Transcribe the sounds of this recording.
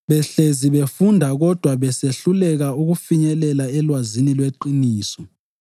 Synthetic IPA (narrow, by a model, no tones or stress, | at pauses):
βɛɬeziβefundʱaɣɔd̥ʱwaβɛseɬulɛɣauɣufiɲɛlɛlaɛlwazinilweǃiniːsɔ